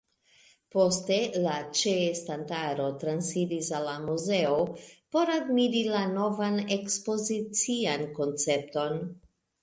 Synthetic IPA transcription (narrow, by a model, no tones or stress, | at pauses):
po̞ste̞lat͡ʃeːstantaɾo̞tɾansidisalːamuze̞opo̞ɾadmiɾilano̞vane̞kspo̞zit͡sianko̞nt͡se̞p̚to̞n